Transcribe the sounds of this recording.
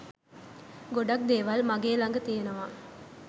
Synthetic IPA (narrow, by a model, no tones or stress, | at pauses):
ɡoɖɐk̚d̪eːʋɐlmɐɡeːlɐŋɡɐt̪eːnɐʋaː